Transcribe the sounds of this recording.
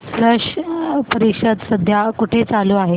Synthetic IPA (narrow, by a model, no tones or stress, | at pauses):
sləʂpəɾikɕəd̪səd̪ʱjakuʈʰet͡saluaɦe